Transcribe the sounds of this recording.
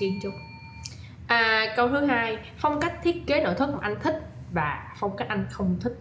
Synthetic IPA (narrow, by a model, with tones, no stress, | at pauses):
i˧nt͡ɕʊ˧˦ŋ͡m | ʔəː˨˩kə˧wt̪ʰɨ˨˦ɦaː˧j | fɔ˧wŋ͡mka˦˥k̚t̪ʰi˦˥ət̚ke˨˦no̰˧˩jt̪ʰɨ˦˥k̚ːʔa˧ŋ̟t̪ʰï˦˥k̟̚ | vaː˨˩fɔ˧wŋ͡mka˦˥k̚ʔa˧jŋ̟xə˧wŋ͡mt̪ʰi˦˥k̚